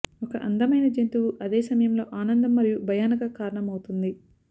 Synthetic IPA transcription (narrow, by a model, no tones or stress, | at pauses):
ɔkɐʔɐnd̪ɐmɐjnɐd͡ʒent̪uwuʔɐd̪eːsɐmɐjɐmlo̞ːʔaːnɐnd̪ɐmːɐɾijubʱɐjaːnɐkɐkaːɾɐɳɐmɐwut̪und̪i